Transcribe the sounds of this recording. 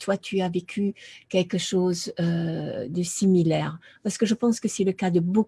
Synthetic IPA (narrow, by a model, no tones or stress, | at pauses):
t̪wat̪ʰyavekʲʰykʲɛlkəʃozød̪əsimilɛʁpaʁsə̥kəʒəpɑ̃skəsɛləkad̪əbo